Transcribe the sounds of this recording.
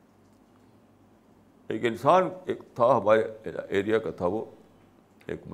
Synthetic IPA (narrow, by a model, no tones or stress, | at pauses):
ḛːkɪnsaːneːkt̪ʰaɦɐmaːɾea̰ʔeːɾijakat̪ʰaʋo | ḛːkm